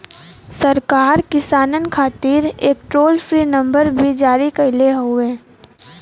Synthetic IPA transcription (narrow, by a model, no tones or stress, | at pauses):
sɐɾkaːɾkɪsaːnənkʰaːt̪iːɾeːk̚ʈɾoːlfɾiːnɐ̃mbəɾbʱid͡ʒaːɾikɐɪleɦʊeː